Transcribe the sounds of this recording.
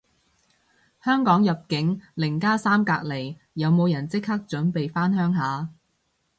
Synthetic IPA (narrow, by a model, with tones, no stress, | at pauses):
hœː˥ŋkɔː˨˥ŋjɐ˨p̚kɪ˨˥ŋlɪ˨˩ŋkaː˥saː˥mkaː˧k̚le˨˩j | jɐ˨˧wmo˨˧wjɐ˨˩nt͡sɪ˥k̚haː˥k̚t͡ʃɵ˨˥npe˨jfaː˥nhœː˥ŋɦaː˨˧